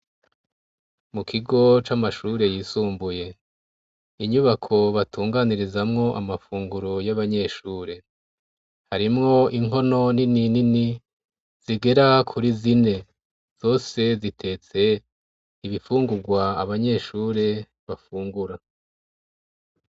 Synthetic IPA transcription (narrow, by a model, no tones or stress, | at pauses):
mukʰiɡo̞t͡ʃamaʃuɾe̞jiːsuːmbuje̞ | iɲuβakʰo̞βatuːŋɡaniɾizamŋo̞ʔa̰mafuːŋɡuɾojaβaɲe̞ʃuːɾe̞ | haɾimŋo̞iŋɦo̞no̞nininini | z̥iɡe̞ɾakʰuɾizine̞ | z̥o̞ːse̞zitʰe̞t͡se̞ | iβifuːŋɡuɾɡwaːβaɲe̞ːʃuːɾe̞ | βafuːŋɡuɾa